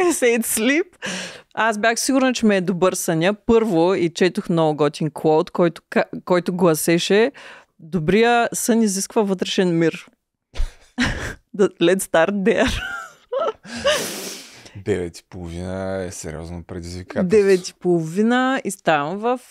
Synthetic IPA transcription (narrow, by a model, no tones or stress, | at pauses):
ɛsɛjt̪slipasbʲjaxsiɡʊɾnət͡ʃɛmɛːd̪obɤɾsɐnʲjəpɤɾvoit͡ʃɛt̪oxnɔvoɡɔt̪ʲiŋklˠowt̪kɔjt̪ʊ̥kakɔjt̪oɡlˠɐsɛʃɛ | d̪obɾijəsɤniziskvəvɤt̪ɾɛʃɛnmiɾ | d̪lɛt̪st̪aɾt̪d̪ɛɾ | d̪ɛvɛt̪i̥polˠovinəɛsɛ̰ɾʲḭɔ̰znopɾɛd̪izvikad̪ɛvɛt̪i̥polˠovinəist̪avmvɐf